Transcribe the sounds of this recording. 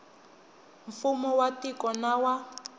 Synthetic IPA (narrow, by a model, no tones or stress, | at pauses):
ɱfumɔwatikɔnawa